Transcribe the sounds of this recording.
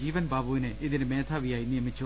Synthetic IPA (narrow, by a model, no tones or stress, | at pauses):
iːʋənbaːbuːneːʔɪd̪ɪnmɛ̃ːt̪ʰaːʋiːaːĩːnd̪ĩɛ̃ːmɪ̃t͡ʃʰo